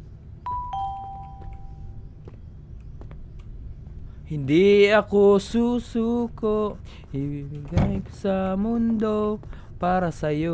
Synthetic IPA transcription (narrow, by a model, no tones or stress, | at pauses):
hind̪iakosusukoʔ | ibiɡajko̥samund̪o | paɾasajo